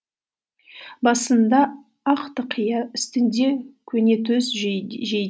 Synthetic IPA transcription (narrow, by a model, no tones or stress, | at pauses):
bɑsənd̪ɑ | ɑqt̪əqʰəjɑɪst̪ɪnd̪e̞kʲʰɵne̞t̪ɵsʒe